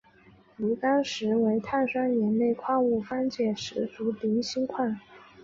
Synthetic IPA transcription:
lu˧˥t̪ɑ˥ŋʂɻ̩˧˥we˧˥ɪt̪ʰa˥˩nʂwa˥njɛ˧˥nne˥˩ɪkʰwa˥˧u˥˩fa˥nt͡ɕjɛ˥˩ʂɻ̩˧˥t͡su˧˥t̪i˧˥ŋɕi˥ŋkʰwa˥˩n

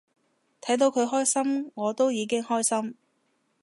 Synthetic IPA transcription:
t̪ʰɐ˨˥jt̪o˧wkʰɵ˨˧ɥɦɔː˥jsɐ˥mŋɔː˨˧t̪o˥wjiː˨˧kɪ˥ŋhɔː˥jsɐ˥m

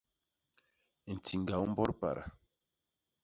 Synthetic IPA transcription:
n̩˨ti˨ŋɡa˨u˦m̩˦bɔ˦ɾpa̰˨ɾa̰˨

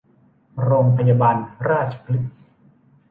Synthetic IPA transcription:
ɾoː˧ŋpʰa˧jaː˧baː˧nɾaː˥˩t̪̚t͡ɕʰḁ˧pʰli˦˥t̪̚

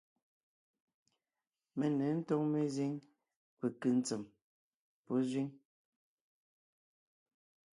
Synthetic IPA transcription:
me˨ne˨˦n̩˦tɔ˦ŋme˦zi˦ŋ | pe˨kɨ˨n̩˦t͡se˨m | po˦zwi˦ŋ

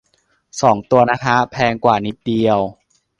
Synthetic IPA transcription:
sɔː˩˦ŋt̪u˧ɐna˦˥k̪ʰa˦˥pʰɛː˧ŋkwaː˨˩ni˦˥p̚di˧əw

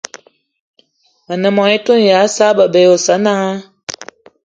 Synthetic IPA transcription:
a˨nə˨mɔ˨ŋi˦to˦n˨ja˨˦sa˦bə˨bɛ˨o˨sa˨˦na˦

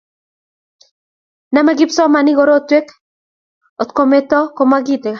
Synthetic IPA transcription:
na˦ma˦ɡɪ˦psɔ˦ma˨nɪ˦ɡo˦ɾo˦t̪we˦k | o˨t̪ko˦me˦t̪ɔ˦ko˦ma˦ɡit̪e˨ka˨

